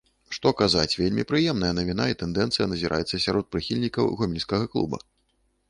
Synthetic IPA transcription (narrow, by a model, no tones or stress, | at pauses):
ʂt̪ɔkazat͡sʲvʲelʲmʲipɾɨjɛmnɐjɐnɐvʲin̪ait̪ɛnd̪ɛnt̪sɨjɐnɐzʲiɾʔa̰jɛt̪sːɐsʲaɾɔt̪̚pɾɨxʲilʲnʲikɐwɣɔmʲilʲsʲkɐɣɐklˠṵbɐ̰